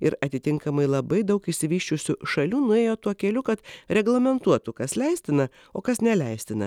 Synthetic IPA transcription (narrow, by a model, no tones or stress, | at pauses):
ɪɾɐt̪ʲɪt̪ʲɪŋkɐmɐɪlˠɐbɐɪd̪ɐʊkɪʃʲsʲɪʋʲiːʃʲt͡ʃʲʊsʲʊʃɐlʲuːnʊeːjoːt̪uɔkʲɛlʲʊkɐt̪ɾʲɛɡlˠɐmʲɛnt̪uɔt̪ʊkɐslʲɛɪsʲt̪ʲɪnɐ | oːkɐsnʲɛlʲɛɪsʲt̪ʲɪnɐ̰